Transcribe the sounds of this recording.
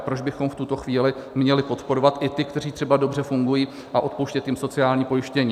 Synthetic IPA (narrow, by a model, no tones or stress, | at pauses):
pɾo̞d͡ʒbɪxo̞mft̪ut̪o̞xviːlɪmɲɛlɪpo̞t̪po̞ɾo̞vat̪ʔɪt̪ɪkt̪ɛriːt̪r̝̥ɛbado̞brɛfuŋɡujiː | ʔaʔo̞t̪powʃcɛt̪jɪmso̞t͡sɪaːlɲiːpo̞jɪʃcɛɲiː